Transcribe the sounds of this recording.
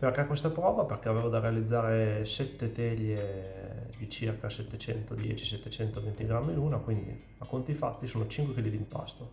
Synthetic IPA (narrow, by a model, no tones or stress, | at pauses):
perkɛkwest̪apɾɔːvaperkɛaveːvod̪arealid̪zːaːɾesɛt̪ːet̪ɛʎːe | d̪it͡ʃirkasɛt̪ːet͡ʃɛ̰nt̪od̪jɛ̰t͡ʃi̥sɛt̪ːet͡ʃɛnt̪ovent̪iɡɾamːiluːnakwind̪ḭ | akːont̪ifat̪ːisoːnot͡ʃiŋkwekilid̪impa̰st̪o